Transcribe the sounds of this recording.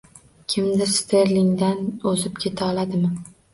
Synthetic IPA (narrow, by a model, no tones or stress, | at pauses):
kʲʰɪmd̪ɪɾst̪ʰeɾlɪŋd̪anɵzɪpkʲʰe̞t̪ʰaɒlˠad̪ɪmɪ